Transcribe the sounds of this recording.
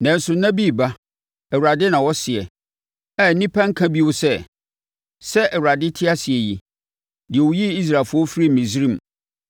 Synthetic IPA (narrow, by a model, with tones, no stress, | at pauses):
nɛ̃˨n̩˦sʊ˨nã˦bi˦˨ba˦ | ɛ˨wu˨ɾa˨dɪ˦nã˨wɔ˦sɪ˨ɛ˨ | ɛ˦˨nĩ˦pʰã˦ŋ̩˦kʰã˦bi˦wʊ˦sɛ˦ | sɛ˦ʔɛ˨wu˨ɾa˨dɪ˦tʰɪ˦a˦sɪ˨ɛ˨ji˨ | dɪ˨ɛ˨wʊ˨˦ji˦i˦s̬ɾaː˨fʊ˦ɔ˦fɾi˦˨mĩ˨sɾĩ˦˨m˨